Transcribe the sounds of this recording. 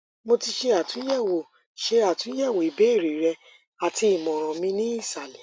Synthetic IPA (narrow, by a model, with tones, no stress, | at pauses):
mo˧ti˧ʃe˧a˨tũ˨˦jɛ˦˨wo˨ | ʃe˧˦a˨tũ˨˦jɛ˦˨wo˨i˨be˨˦i˦˨ɾi˨ɾɛ˧ | a˨ti˧i˨mɔ̃˨ɾ̃ɔ̃˨mĩ˧nĩ˦i˦˨sa˨le˨